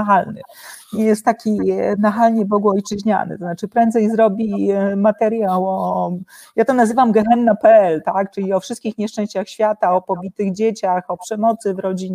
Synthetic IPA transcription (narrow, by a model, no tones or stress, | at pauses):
aɦalnɘ̰ɲɛjɛst̪ːakʲinaxalɲɛbɔɡuɔjt͡ʂɘʑɲa̰n̰t̪ɔznat͡ʂɘpɾɛnd̪zɛjzɾɔbʲimat̪ɛɾjawɔ | jat̪ɔnazɘvamɡɛɦɛnːapɛɛlt̪akt͡ʂɘlʲiɔfʂɘst̪̚kʲixɲɛʂt͡ʂɛ̃ɕt͡ɕaxɕfʲjat̪aɔpɔbʲit̪ɘɣd͡ʑet͡ɕaxɔpʂɛmɔt̪sɘvɾɔd͡ʑiɲɛ